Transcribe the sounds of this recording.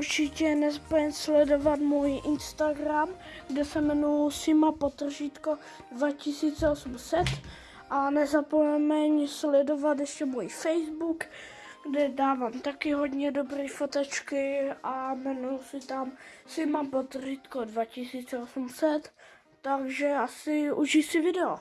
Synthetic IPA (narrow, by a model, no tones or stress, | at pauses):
uɾt͡ʃɪcɛnɛzapojɛɲslɛdo̞vat̪muːjʔɪnst̪aɡɾamɡdɛsɛmɛnujsɪmapot̪r̩ʒiːt̪ko | dvacɪsiːt͡sɛosumsɛt̪ | ʔanɛzapojɛmɛɲslɛdo̞vat̪jɛʃcɛmuːjfɛjzbuk | ɡdɛdaːvaːmt̪akɪɦo̞d̪ɲɛdo̞bɾiːfot̪ɛt͡ʃkɪʔamɛnujsɪt̪am | sɪmapot̪riːt̪kodvacɪsiːt͡sɛosumsɛt̪ː | aɡʒɛasɪʔuʒisɪvɪdɛo